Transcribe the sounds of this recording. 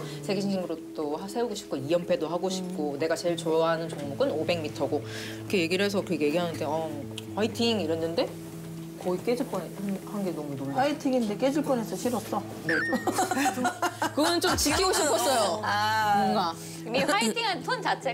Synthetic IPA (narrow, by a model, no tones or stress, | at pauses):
sʰe̞ɡeɕʰiŋɕ̬ʰiŋɡɯɾot͈oɦasʰe̞uɡoɕʰi̥p̚k͈oijʌmpʰe̞doɦaɡoɕʰi̥p̚k͈one̞ɡat͡ɕe̞ɭt͡ɕoaɦanɯnt͡ɕʌŋmuɡɯnobe̞ŋmitʰʌɡo | ɾʌkʰeje̞ɡiɾɦe̞sʰʌkɯɾʌkʰeje̞ɡiɦanɯnde̞ʌ | ɸaitʰiŋiɾʌnːɯnde̞ | kʌik͈e̞d͡ʑuɭp͈ʌnehanɡenʌmunohaitʰiŋinde̞k͈e̞d͡ʑuɭp͈ʌne̞sʰʌɕʰiɾʌs͈ʌ | ne | kɯɡʌnɯnt͡ɕ͈omt͡ɕikʰiɡoɕʰippʰʌs͈ʌjoaʌŋɡa | miaitʰiŋanpʰʌnt͡ɕat͡ɕʰe